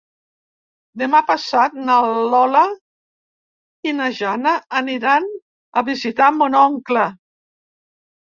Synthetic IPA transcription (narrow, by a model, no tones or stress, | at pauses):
d̪emapasat̪̚nalɔla | inaʒanəːniɾan | əβizit̪amunɔŋklə